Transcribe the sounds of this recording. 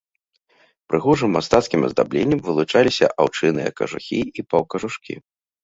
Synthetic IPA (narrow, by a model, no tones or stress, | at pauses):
pɾɨɣɔʐɨmːast̪at̪skʲimɐ̰zd̪a̰blʲenʲːɐmvɨlˠut͡ʂalʲisʲɐ̰ʔawt͡ʂɨnɨjɐ̰kɐ̰ʐṵxʲiipɐwkɐʐuʂkʲḭ